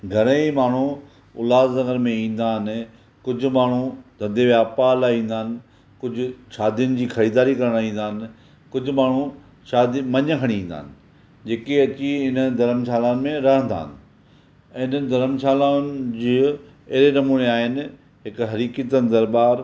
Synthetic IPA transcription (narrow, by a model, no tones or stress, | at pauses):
ɡʱɐɾə̃imaːɳ̤u | ʊ̰laːzzɐ̃ŋəɾmẽĩːn̆d̪aːɦɪnɪ̆ | kʊd͡ʑʱʊ̆maːɳ̤ud̪ʱɐ̃nd̪eʋjaːpalaːĩːn̆d̪aːnɪ̆ | kʊd͡ʑʱʊʃaːd̪ijʊnɪ̆d͡ʑiːxɐɾiːd̪aːɾikɐɾəɽ̃aĩːn̆d̪aːɪnɪ̆ | kʊd͡ʑʱʊmaːɳ̤u | ʃaːd̪imɐɲəkʰɐɽ̃iĩːn̆d̪a̰ːɦnɪ̆ | d͡ʑeːkeɐt͡ɕiɪnəd̪ʱɐɾəmsaːlaːnɪ̆mẽɾɐɦə̃nd̪a̰ːɪnɪ̆̃ | ɪnəɪ̆d̪ʱɐɾəmsaːlaːnɪd͡ʑiː | ɐɦɪɾenɐmuːneaːɦɪnɪ̆ | ɦɪkɦɐɾiːkət̪ənd̪ɐɾbaːɾ